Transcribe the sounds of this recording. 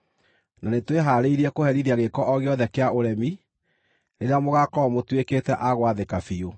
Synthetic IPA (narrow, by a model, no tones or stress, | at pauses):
nanetweɦaːɾeiɾiɛkohɛɾiðiaɣekɔʔɔɣeɔðɛkeaʔoɾɛmi | neɾeamoɣakɔmotwekeːtɛʔaɣwaðekafio